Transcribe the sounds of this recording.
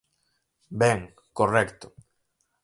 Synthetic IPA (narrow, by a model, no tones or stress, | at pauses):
bɛŋ | korɛkt̪o